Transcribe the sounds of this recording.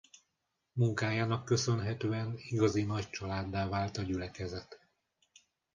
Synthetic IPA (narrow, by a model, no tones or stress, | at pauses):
muŋkaːjaːnɒkːø̞sø̞nɦɛt̪øːɛniɡɒzinɒc̚t͡ʃɒlaːd̪ːaːvaːlt̪ɒɟylɛkɛzɛt̪